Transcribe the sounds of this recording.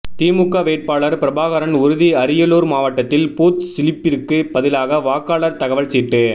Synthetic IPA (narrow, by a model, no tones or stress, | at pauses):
t̪iːmʊkːaʋeːʈ̚paːɭɐɾpɪɾɐbaːɣɐɾɐnʊɾʊðiɐɾɪjɐloːɾmaːʋɐʈːɐt̪ːɪlpoːt̪sɪlɪpːɪɾkːɯbɐðɪlaːɣɐʋaːkːaːɭɐɾt̪ɐɣɐʋɐɭsiːʈːɯ